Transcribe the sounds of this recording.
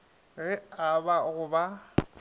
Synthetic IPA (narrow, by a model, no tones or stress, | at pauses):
ɣɪabaɣʊba